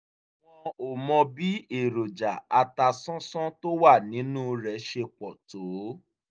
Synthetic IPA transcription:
wɔ̃˧o˨mɔ̃˧bi˨˦e˦˨ɾo˨d͡ʒa˨a˨ta˧sɔ̃˦sɔ̃˦to˦wa˦˨nĩ˨˦nũ˦ɾɛ˨ʃe˧k͡pɔ˨to˨˦

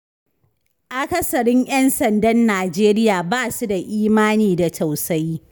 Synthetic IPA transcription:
ʔa˨kɐ˦sɐ˨ɽɪ˦ɲj̰ɐ˦nsɐ˨ndɐ˦nːaː˨d͡ʒeː˦ɾɪ˦jaː˨baː˦˨su˦da˨ʔiː˦maː˦niː˨da˨ta˨wsa˦j

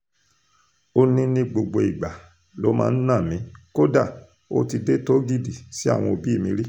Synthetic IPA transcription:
o˦nĩ˦nĩ˧ɡ͡bo˨ɡ͡bo˧˨i˨ɡ͡ba˨ | lo˨˦mã̰ː˧n̩˦nã˦˨mĩ˨˦ko˦da˦˨ | o̰˦ti˧de˦to˦ɡi˦˨di˨si˨˦a̰˦˨w̃ɔ̃˧o˧bi˦i˦˨mĩ˧˦ɾi˦

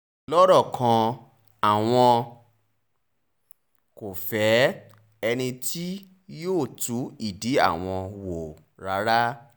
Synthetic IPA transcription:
lɔ˦ɾɔ˦˨kʰã˧ | a˨w̃ɔ̃˧ | ko˨fɛ˨˦ | ɛ˧nĩ˧ti˦ | joː˦˨tu˨˦i˦˨di˨˦a̰˦˨w̃ɔ̃˧wo˨ | ɾa˨˦ɾa˦

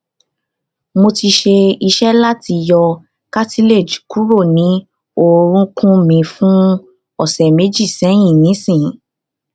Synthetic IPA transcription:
mo˧ti˧ʃe˧i˧ʃɛ˦la˦ti˧jɔ˧ | ka˦ti˦le˦˨d͡ʒu̥˨ku˦ɾo˦˨nĩ˨˦ | o˦˨ɾ̃ũ˦kũ˦mĩ˧fũ˦ | ɔ˦˨sɛ˨me˨˦d͡ʒi˦˨sɛ̃˨˦j̃ĩ˦˨nĩ˨˦sĩ˦˨˦

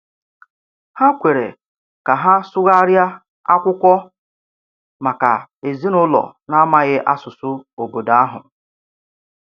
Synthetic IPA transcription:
ha˦kʷe˨ɾḛ˨ | ka˨ɦa˦sʊ˦ɣa˦ɾja˦ | a˦kʷʊ˦kʷɔ˦ | ma˨ka̰˨e˨zi˦nʊ˦lɔ̰˨na˦ma˦ɣɪ˦ʔa˦sʊ˨sʊ˦o˨bo˨da˨a˦ɦʊ˨

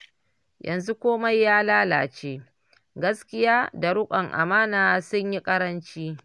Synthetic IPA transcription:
jʔɐ̰˨nzu˦kʷoː˦ma˦jːaː˦laː˦laː˨t͡ʃeː˦ | ɡɐ˦skʲɪ˦jaː˦da˨ɽʊ˦kʷʼɐ˨ŋʔa̰˨maː˦naː˨sʊ˦ɲji˦kʼɐ˦ɾɐ˦nt͡ʃiː˦

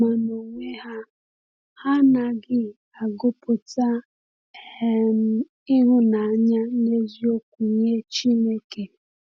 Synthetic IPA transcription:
ma˨no˨ŋʷe˦ha˦ | ha˦na˨ɡɪ˦ | a˨ɡo˦po˨ta˦ | e˦m̩˦ | ɪ˦ɦʊ˦na˨a˦ɲa˦ne˦zi˦o˦kʷu˨ɲe˦t͡ʃi˦ne˦ke˨

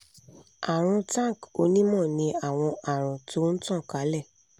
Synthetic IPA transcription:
a˨ɾ̃ũ˧tã˦˨ko˧nĩ˦mɔ̃˦˨nĩ˧a˦˨w̃ɔ̃˧ʔa˨ɾ̃ũ˨to˦n̩˦tɔ̃˦˨ka˨˦lɛ˦˨

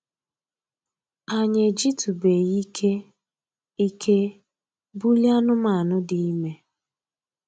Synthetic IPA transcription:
a˨ɲe˨d͡ʒi˦tu˨be˨ji˦kʰe˦ | i˦kʰe˦ | bu˦lja˦nʊ˦ma˨nʊ˦di˨i˦me˦

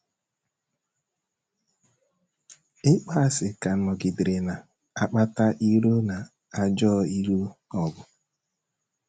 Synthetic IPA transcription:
ɪ˦k͡pa˦a˦˨sɪ˨ka˨n̩˦mɔ˨ɡɪ˨dɪ˨ɾɪ˨na˨ | a˦k͡pa˦ta˦ʔi˦ɾo˦na˨ | a˨d͡ʒɔː˦i˦ɾu˦ɔ˨ɡʊ˨

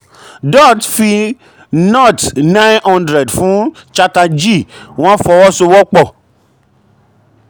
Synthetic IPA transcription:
dɔ˦˨tfi˧ | nɔ˦˨tnã˦j̃nhɔ̃˦ndɾɛ˨dfũ˨˦ | t͡ʃa˦ta˧d͡ʒi˦˨w̃ɔ̃˦fɔ˧wɔ˦so˧wɔ˦k͡pɔ˦˨

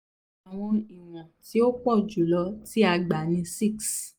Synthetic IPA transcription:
a˨w̃ɔ̃˧i˨w̃ɔ̃˨ti˨˦o˦k͡pɔ˦˨d͡ʒu˨lɔ˨˧˦ti˦a˧ɡ͡ba˨˦nĩ˧si˦˨ks

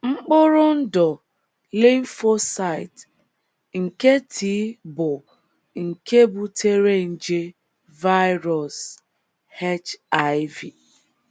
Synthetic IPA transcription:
ŋ͡m̩˦k͡pʊ˦ɾʊ˦n̩˦dɔ˨ | le˦ɱ̩˦fo˦sa˦˨ɪ˨t | ŋ̩˨ke˦tʰi˨˦bʊ˨ | ŋ̩˨ke˦bʊ˦tʰe˦ɾe˦n̩˨d͡ʒe˦ | va˦jɾɔ˨s | he˦t͡ʃa˨˦ɪ˦vi˨

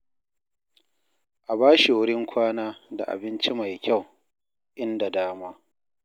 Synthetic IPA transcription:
ʔa˨baː˦ʃi˨wʊ˦ɽɪ˦ŋkʷʰaː˦naː˦da̰˨ʔa̰˨bɪ˦nt͡ʃi˦ma˨jkʲa˦˨w | ʔɪ˦nda˨daː˦maː˦

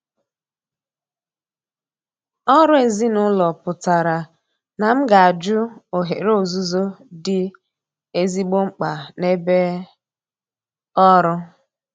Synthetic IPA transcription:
ɔ˦ɾʊ˦e˨zi˦nʊ˦lɔ˨pʊ˨ta˨ɾa˨ | na˨m̩˦ɡa˨a˨d͡ʒʊ˦o˨ɦe˨ɾo˨zu˦zo˦dɪ˦ | e˦zi˦ɡ͡bo˦ŋ͡m̩˦k͡pa˨ne˦be˦ | ɔ˦ɾʊ˦

